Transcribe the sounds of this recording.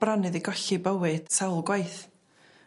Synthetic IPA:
b̥ranɨðiɡɔɬibəwɨd̥sawlˠɡwajθ

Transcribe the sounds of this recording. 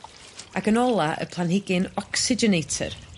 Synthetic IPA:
aɡənɔlˠaʔə̰pʰlˠanhɪɡɪnɔksɪd͡ʒɛnejtʰə̰r

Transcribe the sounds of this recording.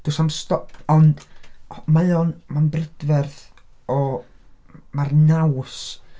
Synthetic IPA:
d̥usamstɔpɔnd | majɔnmanbrɪd̥vɛrθ | ɔ | marnaws

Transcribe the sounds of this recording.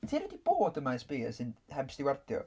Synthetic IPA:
tʰiːɾɛdib̥oːdəmajsb̥eːsɨnhɛbsd̥ɪwɛrdjɔ̰

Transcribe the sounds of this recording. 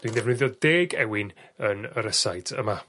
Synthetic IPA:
d̥windɛvnɪðjɔdeːɡɛwɪnənəɾəsajdʰə̰ma

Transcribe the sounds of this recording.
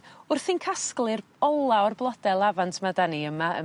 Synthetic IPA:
ʊrθinkʰasklˠɨr | ɔlˠaɔrblˠɔdɛlˠavantʰmadaniəmaə̰

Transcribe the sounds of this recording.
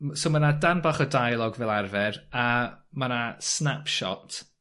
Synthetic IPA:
somanadanbaχədajlˠɔɡvɛlˠarvɛramanasnapʰʃɔ̰tʰ

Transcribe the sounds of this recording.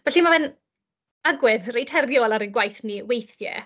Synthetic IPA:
vɛɬimavɛn | aɡwɪðrejtʰhɛrðjɔlˠaɾənɡwajθniwejθjɛ̰

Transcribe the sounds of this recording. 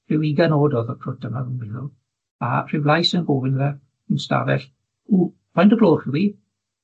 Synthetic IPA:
r̥ɪwiɡanoːdɔðɔkʰrʊt̚dəmavənwɪlʊ | a̰r̥ɪwlˠajsənboːvɪnðɛ | ənsta̰vɛ̰ɬ | u | pʰajntɔbloːrrɪwi

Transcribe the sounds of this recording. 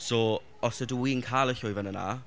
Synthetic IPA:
soː | ɔsəduwiːnkʰaːlˠəɬʊjvanəna̰

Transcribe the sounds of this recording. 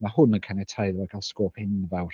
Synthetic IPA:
mahʊnənkʰanɛtʰajðvɔɡalˠskoːpʰhɪnvɛwr

